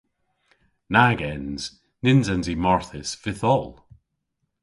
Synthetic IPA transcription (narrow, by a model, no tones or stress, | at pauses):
naɡɛnz̥ | nɪnzanzimɔɹθɪsvɪθɔlˠ